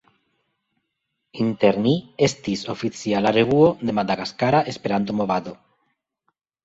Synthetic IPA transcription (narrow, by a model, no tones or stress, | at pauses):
int̪eɾniest̪isofit͡sialaɾeβuod̪emad̪aɣaskaɾaʔespeɾand̪omoβaðo